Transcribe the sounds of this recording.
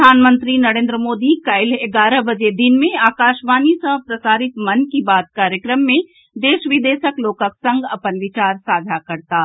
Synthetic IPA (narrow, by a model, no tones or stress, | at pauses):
aːnmə̃nt̪ɾinɐɾẽːnd̪ɾəmoːd̪ikɐɪleɡaːɾəbɐd͡ʒed̪ɪnmẽaːkaːʃmaːnisəɦpɾɐsaːɾɪt̪mɐnkibaːt̪̚kaːɾjəkɾəmːẽ | d̪eːʃʋɪd̪eːʃəkloːkəksɐ̃ŋɡɐpənʋɪt͡ʃaːɾsaːd̪ʱakɐɾt̪aː